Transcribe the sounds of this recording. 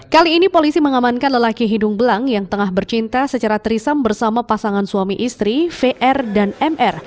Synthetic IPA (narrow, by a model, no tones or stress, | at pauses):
kaliːnipolisiməŋamankanləlakiɦidʊŋbəlaŋjaŋt̪əŋahbərt͡ʃint̪asət͡ʃaɾat̪əɾisambərsamapasaŋansuamiʔist̪ɾifeʔɛrdanɛmʔɛr